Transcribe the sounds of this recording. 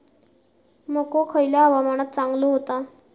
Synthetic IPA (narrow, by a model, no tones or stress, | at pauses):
mokokʰəjljaəʋamaɽ̃at̪̚t͡saŋɡloɦot̪a